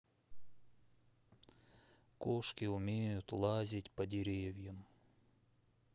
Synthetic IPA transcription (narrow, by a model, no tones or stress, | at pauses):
koʂkʲɪʊmʲejʊt̪lˠazʲɪtʲpɐdʲɪɾʲevʲjəm